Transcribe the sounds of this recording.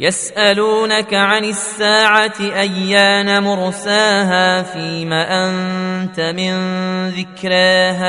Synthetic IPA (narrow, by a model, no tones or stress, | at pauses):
jasʔaluːnakaʕanɪsːaːʕat̪ɪʔajːaːnamʊɾsaːɦaːfiːmaːʔant̪amɪnðɪkɾɪɦaː